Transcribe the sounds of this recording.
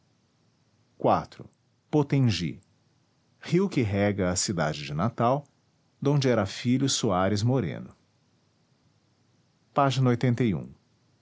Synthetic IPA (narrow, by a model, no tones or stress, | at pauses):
kwat̪ɾʊ̰ | pot̪ẽʒḭ | hiwkɪɦɛɡɐɐsid̪a̰d͡ʒɪd͡ʒɪnat̪aw | d̪õnd͡ʒɪɛɾɐfiʎʊsuaɾɪzmoɾḛ̃nʊ | paʒinɐojt̪ẽnt̪ɐjṵ̃